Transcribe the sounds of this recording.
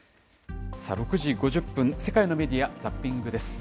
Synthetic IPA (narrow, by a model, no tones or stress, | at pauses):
sa̰ɾo̞kɯ̟ʑiɡo̞ʑɨɯpːɯ̃ñse̞kaino̞me̞d̪ʲijad͡zapʲːĩŋɡɯ̟d̪e̞sɨ̥